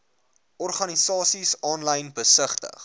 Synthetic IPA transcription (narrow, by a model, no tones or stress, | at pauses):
ʔɔrχɐnisɑːsisɑːnlɐjnbəsəχtə̰χ